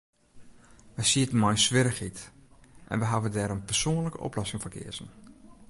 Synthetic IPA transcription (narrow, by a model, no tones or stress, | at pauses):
ʋəjsiətənmɔjsʋɪɾəxitʔɛ̰nʋəɦaʋədɛːɾənpərsoːnləkəʔɔ̰plɔsɪŋfəkʰɪ̰əzən̩